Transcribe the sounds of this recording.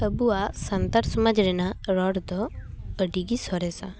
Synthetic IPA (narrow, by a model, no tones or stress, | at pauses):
təbuasənt̪aɾsɔmad͡ʒɾɛnaɾɔɽd̪ɔəɖiɡisɔɾɛsa̰